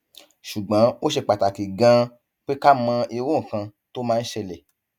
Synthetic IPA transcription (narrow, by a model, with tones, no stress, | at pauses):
ʃu˨ɡ͡bã˨˦o˦ʃe˧k͡pa˨ta˨ki˨ɡã˧ | k͡pe˦ka˦mã˧i˧wũ˦˨kã˧ | to˦mãː˦˧n̩˦ʃɛ˧lɛ˨